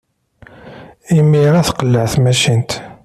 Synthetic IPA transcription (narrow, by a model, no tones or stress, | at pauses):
imːiɾæθqəlːəʕθmæʃint̪